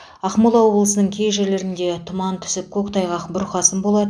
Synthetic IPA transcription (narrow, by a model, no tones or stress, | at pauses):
ɑqmolˠɑwo̞blˠəsənəɴkʲʰe̞jʒe̞ɾle̞ɾɪnd̪e̞t̪ʰʊmɑnt̪ʰʏ̥sɪp̚kʲʰo̞kt̪ɑjʁɑqbʊɾqɑsənbo̞lˠɑd̪ə